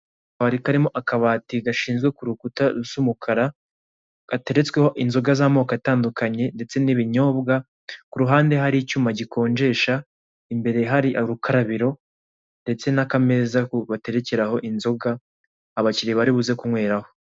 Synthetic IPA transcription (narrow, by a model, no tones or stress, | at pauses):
βaɾikaɾimo̞ʔakaβaːtiɡaʃiːnzɡwe̞kuɾukutaɾusumukʰaɾa | ɡ̥ate̞ɾe̞t͡sweho̞ʔinzo̞ɡazaːmo̞ːkataːndukaɲe̞nde̞t͡se̞niβiɲo̞ːbɡa | kuɾuɦaːnde̞ɦaɾit͡ʃuːmaɟikʰo̞ːɲd͡ʒe̞ːʃa | imbe̞ɾe̞ɦaɾiʔaɾukʰaɾaβiɾo̞ | nde̞t͡se̞nakame̞zakuβate̞ɾe̞ce̞ɾaho̞ʔinzo̞ɡaː | βaciɾiβaɾiβuze̞kumŋwe̞ːɾaho